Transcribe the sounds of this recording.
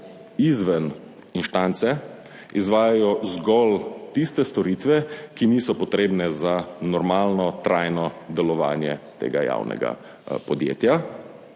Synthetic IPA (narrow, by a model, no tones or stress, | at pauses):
izʋɛn | inʃt̪ant̪sɛ | izʋaːjajɔzɡɔlt̪ist̪ɛst̪ɔɾiːt̪ʋɛkiniːsɔpɔt̪ɾeːbnɛzanɔɾmaːlnɔt̪ɾaːjnɔd̪ɛlɔʋa̰ːnjɛt̪ḛːɡaja̰wnɛ̰ɡa̰ | pɔd̪jḛːt̪ja